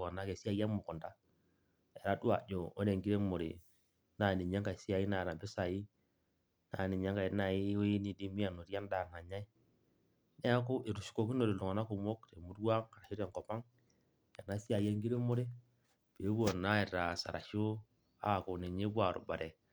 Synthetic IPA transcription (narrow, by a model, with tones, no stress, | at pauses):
o˨na˦ke˨si˦a˦˨ja˦mu˨ku˨nda˦ | e˨ɾa˦du˦a̰˨d͡ʒo˨o̰˦ne˨ŋɡi˦ɾe˦mo˨ɾḭ˨ | na˨ni˨ɲa˦ŋka˨i˨si˦a˨ji˦na˨na˨be˦sa˨ji˦ | na̰˨ni˨ɲa˦ŋka˨i˨˦na˨i˦o˦i˦ni˨di˦mi˦a˨no˨ɾi˦a˦nda˨na˨ɲa˦i˦ | ne˦a˦ku˦ʔe˨ɾu˨ʃu̥˦ko˨ki˦no˨ɾi˨lu˨ŋa˨na˦ku˨mo˦kte˨mu˦dwa˦ŋa˨ɾa˨ʃo˦ɾa˨ŋko˨pa˦ŋ | ja˨na˦si˦a˨je˦ŋɡi˦ɾe˦mo˦ɾi˦ | b̥e˨˦bu˦o˨na˦e˨ɾa˨sa̰˨ɾa̰˨ʃu˦ | a̰˦˨ko˨ne˨ɲe˦bu˦a˨ɾṵ˨ba̰˨ɾe˨